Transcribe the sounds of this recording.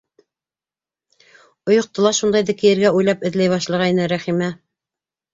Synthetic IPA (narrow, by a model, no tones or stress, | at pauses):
ŏjŏq̚t̪ɤ̆lˠɑʃund̪ɑjðɘkɘ̆jɘ̆ɾɡæujlˠɑpɘ̆ðlæjβɑʃlˠɑʁɑinɘɾæχimæ